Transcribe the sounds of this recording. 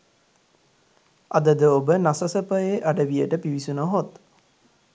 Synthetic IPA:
ad̪əd̪əobənasəsəpəjeʔaɖəʋijəʈəpiʋisunoɦot̪

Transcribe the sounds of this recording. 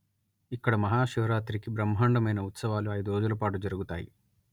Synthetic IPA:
ikːɐɽɐmɐɦaːʃuʋɐɾaːt̪ɾikibɾɐmɦaːɳɖɐmɐjnɐut̪sɐʋaːluɐjd̪oːd͡ʒulɐpaːʈud͡ʒɐɾuɡut̪a̰ːjḭ

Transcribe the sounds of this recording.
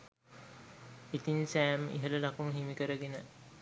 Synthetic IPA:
it̪insæːmḭɦələlakuməɦimikəɾəɡenə

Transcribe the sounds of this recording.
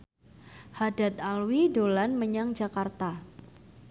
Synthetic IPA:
hadat̪alwidolanməɲaŋd͡ʒakart̪a

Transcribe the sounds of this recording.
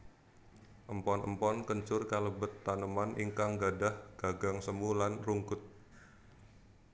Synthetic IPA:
ʔəmpɔnʔə̰mpɔnkəɲt͡ʃʊrkaləbət̪ːanəmanʔiŋkaŋɡadahɡ̥aɡaŋsəmulanruŋkʊt̪̚

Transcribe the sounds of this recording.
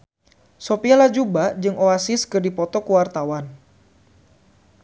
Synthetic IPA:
sopialad͡ʒubad͡ʒɨŋʔoasiskɨrdipɔt̪ɔkuwart̪awan

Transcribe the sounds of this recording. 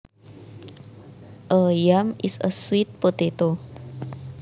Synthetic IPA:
ʔəjamḭsə̰swit̪̚pot̪et̪o

